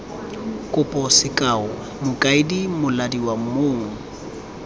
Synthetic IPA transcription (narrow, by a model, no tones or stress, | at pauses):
kʼʊpʼɔsɪkʼaʊ | mʊkʼaɪdimʊladiwamoːŋ̩